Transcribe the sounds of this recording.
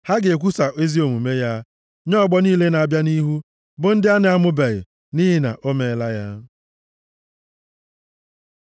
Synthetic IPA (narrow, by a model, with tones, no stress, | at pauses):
ha˦ɡe˨k̬ʷu˦sa˨ʔe˦zi˦o˨mu˨me˦ja˦ | ɲɔ˦˨ɡ͡bɔ˦niː˦le˦na˨a˨bja˦ni˦ɦu˦ | bʊ˨n̩˦dɪ˦a˦nɪ˨a˦mʊ˦be˨ɣɪ̰˨ | ni˦ɦɪ˦na̰˨ʔo˦me˦˨˦la˦ja˦